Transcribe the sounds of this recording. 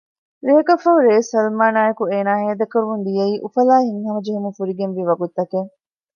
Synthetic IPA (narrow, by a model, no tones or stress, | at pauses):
ɾeɦɐkɐfɐɦuɾeːsɐlmaːnaːjɐkueːnaːɦeːd̪ɐkːɐɾumund̪ijɐiːʔufɐlaːɦiŋhɐmɐd͡ʒeɦumufuɾiɡenʋiːʋɐɡut̪ːɐkeŋ